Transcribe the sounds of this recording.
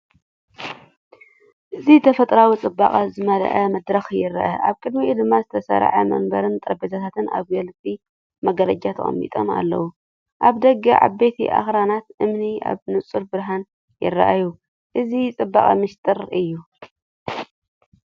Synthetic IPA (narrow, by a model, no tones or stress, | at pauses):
ʔɨzit̪ʰɐfɐt̪ʼɾawit͡sʼɨbːa̰kʼazɨmɐl̰ʔɐmɐd̪ɾɐxjɪɾɐ̰ʔɐ̰ʔaβkʼɨd̪miʔd̪ɨmːazɨt̪ʰɐsɐ̰ɾ̰ʕɐ̰mɐ̰nbɐɾɨnt̪ʼɐɾbet̪ʰat̪ʰat̪ɨna̰βɡɐlt̪ʼi | mɐɡɐlɐd͡ʒat̪ʰɐkʼɐ̰mːḭt̪ʼo̞̰ma̰lːɐ̰wu | ʔaβd̪ɐɡɐʕa̰bet̪ʰḭʔa̰xɾanat̪ʔɨmniʔa̰βnɨt͡sʼuɾbɨɾɦan | jɪ̰rːɐ̰ʔaju | ʔɨzit͡sʼɨbːa̰χʼɐmɨʃt̪ʼɨɾɨjːu